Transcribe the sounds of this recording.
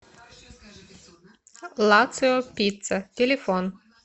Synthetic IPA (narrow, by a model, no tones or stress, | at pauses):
lˠɑt̪sɨopʲit̪sət̪ʲelʲefon